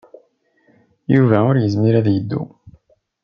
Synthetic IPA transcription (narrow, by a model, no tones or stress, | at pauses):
juvæʊɾjəzmiɾæðjəd̪ːṵ